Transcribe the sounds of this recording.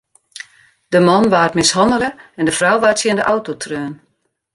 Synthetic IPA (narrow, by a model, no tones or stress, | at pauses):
dəmɔnʋaːtmɪshɔnələɛndəfrawʋaːtsjiəndəʔawtotʰrøːn